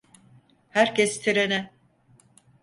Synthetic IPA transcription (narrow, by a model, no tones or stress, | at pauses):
hæɾcʰɛst̪ʰiɾenɛ